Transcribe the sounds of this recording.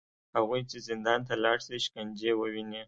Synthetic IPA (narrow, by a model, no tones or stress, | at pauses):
haɣujt͡ʃezɪnd̪ɑnt̪alɑɽsiʃkand͡ʒewəwine